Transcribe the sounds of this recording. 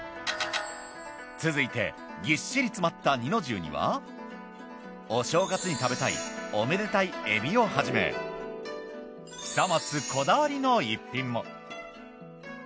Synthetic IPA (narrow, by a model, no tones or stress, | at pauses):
t͡sɨzɨit̪e̞̰ | ɡʲiɕːiɾʲit͡sɨmat̪ːaɲ̟ino̞ʑɨ̰ːɲ̟ḭβa̰ | o̞ɕo̞ːɡat͡sɨɲ̟it̪abe̞t̪aḭome̞d̪et̪aiebʲio̞haʑime̞̰ | çi̥t̪amat͡sɨkʰo̞d̪aβaɾʲino̞ipʲːĩmːo̞̰